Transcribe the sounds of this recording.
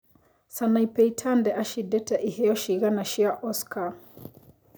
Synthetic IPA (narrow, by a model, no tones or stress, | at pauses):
sanaipɛitʰandɛʔaʃidɛtɛʔihɛjɔʃiɣanaʃiaʔɔskʰa